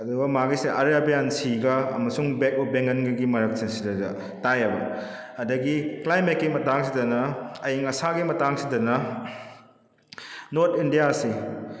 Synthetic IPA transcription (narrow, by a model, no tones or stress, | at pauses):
ɐduɡɐmaɡiseʔɐɾjabejansiɡɐɐmɐsuŋbekɔp̚beŋɡɐnɡɐɡimɐɾɐk̚sinsidɐdɐ | tajɐbɐ | ɐdɐɡiklajmekːimɐtaŋsidɐnɐɐjiŋɐsaɡimɐtaŋsidɐnɐ | noɾt̪ʰindijasi